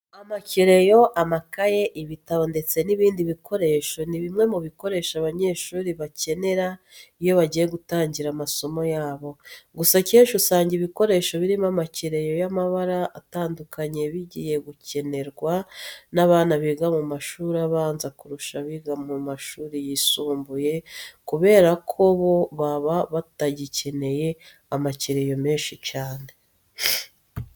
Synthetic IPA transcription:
amaciɾe̞jo̞ʔamakajeʔiβitaondet͡se̞niβiːndiβikʰo̞ɾe̞ʃo̞niβimŋe̞muβiko̞ɾe̞ːʃaβaɲe̞ːʃuːɾiβace̞ne̞ɾa | ijo̞βaɟiːjeɡutaːɲɟiɾamaso̞mo̞jaːβo̞ɡusaceːʃusaːɲɟiβiko̞ɾe̞ːʃo̞βiɾimamaciɾe̞jo̞jamaβaɾaːtaːndukʰaɲe̞βiɟḭːje̞ɡuce̞ne̞ɾɡwanaβaːnaβiːɡamumaʃuːɾaβaːnzakuɾuʃaβiɡamumaʃuːɾijisuːmbuje̞kuβe̞ːɾakʰoβo̞βaβaβataɟice̞ne̞je̞ | amaciɾe̞jo̞meːnʃit͡ʃaːne̞

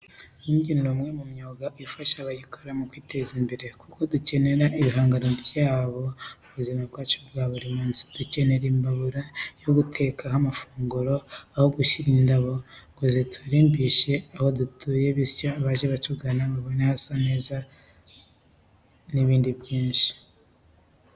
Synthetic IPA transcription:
uːɲɟinumŋe̞mumɲo̞ɡaʔifaʃaβaɟikʰo̞ɾamukwiːtʰe̞zimbe̞ɾe̞kuko̞duce̞ne̞ɾaʔiβiɦaːŋɡano̞bjaːβo̞muβuzimab̚ɡaːt͡ʃobɡaːβuɾimuːnsi̥d̥uce̞ne̞ɾimbaβuɾajo̞ɡutʰe̞kʰahamafuːŋɡuɾo̞aho̞ɡuʃiɾindaβo̞ŋɡozetʰaɾiːmbiʃe̞aho̞dutʰuːje̞βiscaːβaʒeβat͡ʃuɡanaβaβo̞nehasane̞ːza | niβiːndibjiːnʃi̥

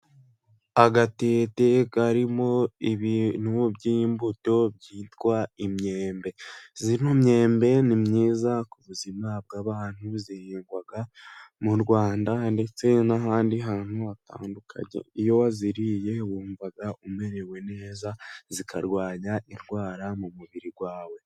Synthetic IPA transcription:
aɡate̞ːtekaɾimo̞iβniwobɟiːmbuto̞bɟiːtkwaimɲe̞ːmbe̞ziinomɲe̞ːmbe̞nimɲiːzakuβuzimab̚ɡaːβaːn̥huzihiːŋɡwaɡamuɾɡwaːndande̞t͡se̞naɦaːndiɦaːn̥uata̰ːndukʰa̰ɲe̞̰ijo̞waziɾije̞wuːɱvaɡaʔume̞ɾe̞we̞ne̞ːzazikʰa̰ɾɡwaːɲaʔiɾɡwaːɾamumuβiɾiɡwaːwe̞

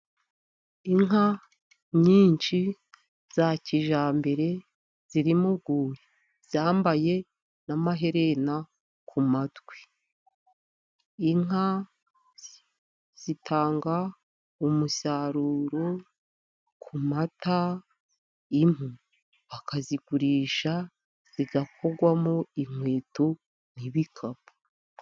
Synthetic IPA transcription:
iŋɦa | ɲiːnt͡ʃi | z̥aciʒaːmbe̞ɾe̞ | z̥iɾimuɡuːɾi | z̥aːmbaje̞ | namaɦe̞ɾe̞na | kʰumatɡwe̥ | iŋa | z̥itʰaːŋɡa | umusaɾuːɾo̞ | kʰumata | im̥u | βakʰaziɡuɾiːʃa | z̥iɡakʰo̞ɡwamoiŋwe̞ːtu | n̥iβikʰabu̥

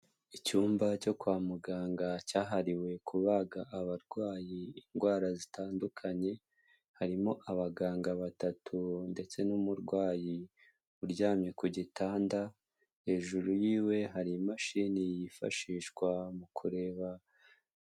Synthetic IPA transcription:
icuːmbaco̞kwaːmuɡaːŋɡacaːɦaɾiwe̞kʰuβaɡaʔːβaɾɡwaːjiːŋɡwaːɾazitaːndukʰaɲe̞ | haɾimo̞ʔaβaɡaːŋɡaβatatʰunde̞t͡se̞numuɾɡwaːji | uɾɟaːmɲekuɟitʰaːnda | he̞ːʒuɾujiːwe̞ɦaɾimaʃiːnijifa̰ʃiːʃɡwamukʰuɾe̞ːβa

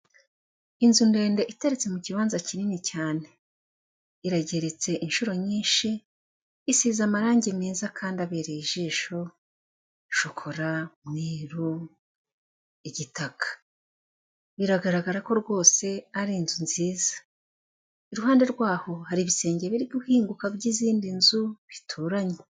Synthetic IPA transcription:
inzunde̞ːnde̞ʔitaɾit͡se̞muciβaːnzacininicaːne̞ | iɾaɟe̞ɾe̞t͡se̞ʔinʃuɾo̞ɲiːnʃiː | siːzamaɾaːɲɟemiːzakʰaːndiaβeɾeiʒiːʃo̞ | ʃokʰo̞ɾamŋiːɾu | iɟitakḁ | βiɾaɡaɾaɡaɾako̞ɾɡwo̞ːse̞aɾiːnzunziːzḁ | iɾuɦaːnde̞ɾɡwaːho̞haɾiβise̞ːɲɟe̞βiɾiɡuhiːŋɡukabɟiziːndinzuβitʰuɾaɲe

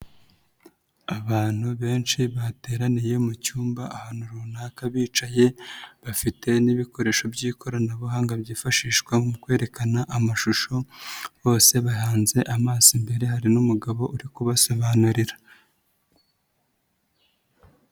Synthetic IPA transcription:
aβaːn̥huβe̞ːnt͡ʃiβate̞ːɾanije̞mucuːmbaʔahan̥uɾuunakaβiːt͡ʃaje̞βafite̞niβiko̞ɾe̞ːʃo̞bjiːkʰo̞ɾanaβuɦaːŋɡabjiːfaʃiːʃkwamukwe̞ːɾe̞kanaʔamaʃuʃo̞βo̞ːse̞βaɦaːnze̞ʔamaːzimbe̞ɾe̞ɦaɾinumuɡaβo̞ʔuɾikuβaso̞βanuɾiɾa

